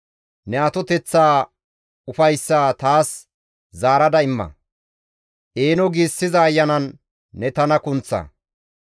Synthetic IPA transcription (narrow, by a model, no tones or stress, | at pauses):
nɛɐt̪ɔt̪ɛt͡sːaː | ʊfɐjsːaːt̪aːs | zaːɾɐd̪ɐɪmːɐ̰ | ʔeːnɔɡiːsːɪzɐːjːɐnɐnː | ɛt̪ɐnɐkʊnt͡sːɐ̰